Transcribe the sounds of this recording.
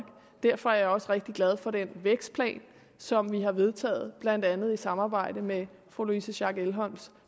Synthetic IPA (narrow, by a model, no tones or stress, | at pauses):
ɡ̥ | d̥æɐfɒ̽æɐɐjɒ̽səʁeɡ̥̚d̥iɡ̥læð̞ˠfɒ̽d̥enʋeɡ̥sd̥̚pʰlɛ̰ːn | sɒ̽mʋiɦɑ̈ʋe̝ð̞ˠt͡sʰɛ̰ːð̞̩ˠb̥lænd̥ænð̩ˠisɑ̈mɑ̈ːb̥ɑ̈ɪ̰dəme | fʁolisəɕɑ̈ɡ̥elɦɒns